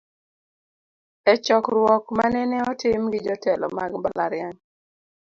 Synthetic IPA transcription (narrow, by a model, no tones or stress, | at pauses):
ɛt͡ʃɔkɾwɔkmanɛnɛɔtɪmɡɪd͡ʒɔtɛlɔ̰maɡbala̰ɾɪjan